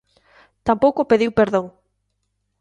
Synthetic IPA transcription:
t̪ampowkopeðiwpeɾðoŋ

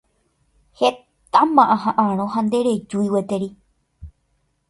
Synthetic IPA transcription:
he | t̪amãʔãɦãʔãɾ̃õɦand̪e̞ɾed͡ʒuiwet̪eɾi

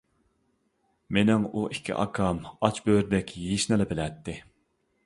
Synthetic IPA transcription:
menɪŋuʔikʲʰːḭʔɑ̰kʰɑmɑt͡ʃbøɾɪd̪ɛkʲʰjiʃnɨlɨbɪlɛt̪ʰːɪ

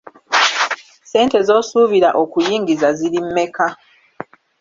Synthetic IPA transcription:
se̞ːnte̞zo̞ːsuːviɾaʔo̞kujiːŋɡizaziɾimːe̞ka

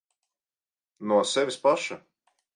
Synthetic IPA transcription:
nuɔsɛvʲispaʃa

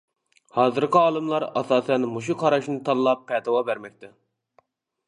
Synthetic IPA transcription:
hɑːzɨɾkʲɪɑːlˠɨmlˠɑɾɑ̰sɑːsɛnmuʃ̬uqʰɑɾɑʃnɨt̪ʰɑlˠlːˠɑpʰːɛt̪ʰɨwɑbæɾmɛk̚ʲt̪ʰɛ

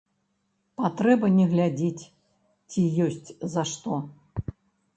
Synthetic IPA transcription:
pat̪ɾɛbɐnʲɛɣlʲad͡zʲet͡sʲ | t͡sʲijɔsʲt͡sʲzɐʂt̪ɔ

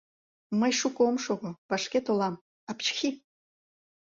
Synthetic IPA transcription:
məjʃukomʃoɣŏvɑʃket̪olˠɑm | ɑpt͡ɕxʲi

